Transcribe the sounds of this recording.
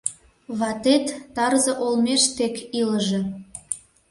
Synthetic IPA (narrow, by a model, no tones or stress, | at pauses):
βɑt̪et̪ːɑrzɤ̆ʔolmeʃt̪ekiləʒĕ